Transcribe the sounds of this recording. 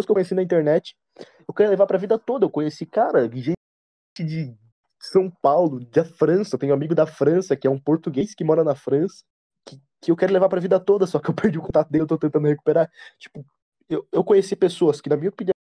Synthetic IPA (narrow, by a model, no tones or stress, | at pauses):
skewkoɲesinɐĩnt̪eɾnɛt͡ʃɪ̥ | ewkeɾilevaɾpɾɐvid̪ɐt̪od̪ɐewkõɲesikaɾɐʒẽ | t͡ʃɪd͡ʒɪ | sɐ̃w̃pawlʊd͡ʒ̪ɐfɾɐ̃sɐt̪ẽɲ̃ʊ̃amiɡʊd̪ɐfɾɐ̃sɐkɪɛũpoɾt̪uɡejskɪmɔɾɐnɐfɾɐ̃sɐ̥ | kɪ | kɪewkɛɾʊlevaɾpɾɐvid̪ɐt̪od̪ɐsɔkɪewpeɾd͡ʒiʊkõt̪at̪ʊd̪ewt̪ot̪ẽt̪ɐ̃nd̪ʊheku̥peɾaɾt͡ʃi̥pʊ | ewewkõɲesipesoɐskɪnɐmĩɲɐopinĩ